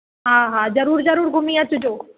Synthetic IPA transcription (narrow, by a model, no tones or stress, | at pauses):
ɦaːɦaːzɐɾuːɾzɐɾuːɾɡʱʊmiat̪ʊd͡ʑoː